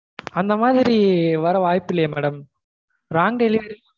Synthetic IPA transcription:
ɐnd̪ɐmaːðɪɾiʋɐɾɐʋaːjpːɪlːɐjemɛɽɐm | ɾaːŋɖɛlɪʋɐɾ

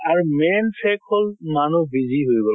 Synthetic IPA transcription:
aɹumɛnpʰɛkʰholmanubizʱiɦojbɔl

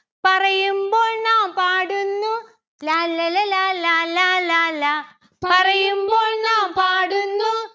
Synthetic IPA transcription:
pɐrɐjumboːɭnaːpaːɽunːu | lallalalalala | pɐrɐjumboːnaːpaːɽunːu

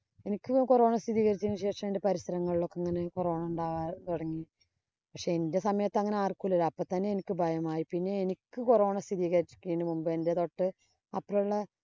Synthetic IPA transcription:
e̞nikʲːɨkoro̞ːɳɐst̪iðiːɣɐɾit͡ɕːinːɨɕe̞ːʂɐmendepɐɾisɐɾɐŋːɐɭiɭo̞kːɐŋːɐne̞koro̞ːɳɐuɳɖaːʋaːt̪oɽɐŋːi | pɐkʂe̞ende̞sɐmɐjɐt̪ːɐŋːɐneaːrkulːɐɾɐpːoːt̪ːɐnːeenikʲːɨbʱɐjɐmaːjipinːe̞enikʲːɨkoroːɳɐst̪ʰiðiːɣɐɾit͡ɕːi̥kʲːeːɳːɨmumbɨende̞t̪o̞ʈːɨ | ɐpːɐuɭːɐ

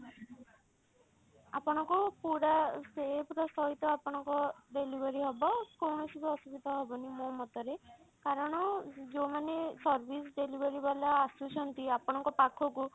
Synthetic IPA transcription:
a̰pɔɽ̃ɔŋkɔpuɾasebʱɾɔsɔɦit̪ɔapɔɽ̃ɔŋkɔɖelibʱɔɾiɦɔbɔkɔwɳɔsit̪ɔɔsubid̪ʱaɦɔbɔnimomɔt̪ɔɾe | kaɾɔɽ̃ɔd͡ʒomanesɔɾbʱisɖelibʱɔɾibalaːsut͡ʃʰɔnt̪iapɔɽ̃ɔŋkɔpakʰɔku

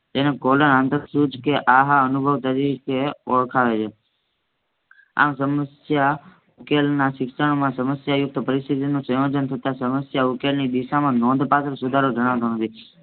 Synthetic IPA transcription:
d͡ʒenẽkolənãnt̪əɾsud͡ʒkeʔaɦaənʊbʱəʋt̪əɾikeɔɭkʰaʋet͡ʃʰe | a̰msəməsja | ʊkelnãsɪksəɽ̃omãsəməsjajʊk̚t̪ʰəpəɾɪst̪it̪inũsəjod͡ʒənt̪ʰət̪asəməsjaʊkelnid̪ɪʃamãnɔ̃nd̪ʱpat̪ʰəɾsʊd̪ʱaɾod͡ʒəɽ̃aʋt̪õnət̪i

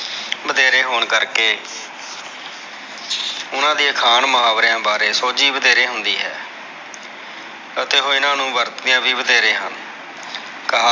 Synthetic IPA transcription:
bəd̪eːɾeːɦoːɳkəɾkeː | ʊnãːd̪iːkʰaːnməɦaːʋɾãːbaːɾeːsoːd͡ʒiːbəd̪eːɾeːɦʊnd̪iːɦɛː | ət̪eːɦoːɪnãːnũːʋəɾt̪d̪ɪjãːbiːbəd̪eːɾẽːɦən | kəɦ

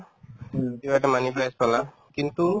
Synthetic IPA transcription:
t̪ibajʈamaniplajspɔla | kint̪u

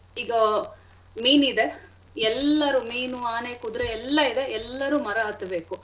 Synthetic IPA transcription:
iːɡɐ | miːnid̪e̞ | ɛlːɐɾumiːnuaːneːkud̪ɾeɛlːɐid̪e̞ɛlːɐɾumɐɾɐɦɐt̪ɐbe̞ːku

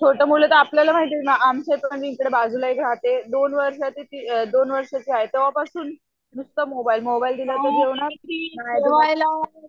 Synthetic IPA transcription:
t͡sʰoʈəmulet̪əapljalam̤aɦit̪emaamset̪məɳd͡ʑeikɽebad͡zʱulaikɾat̪ed̪onʋəɾʂat̪iːt̪id̪onʋəɾʂat͡ɕiaɦet̪eʋ̤apasuːn | nust̪əmobailmobaild̪ilat̪əɡʱeʋɳaɾnaʋajla

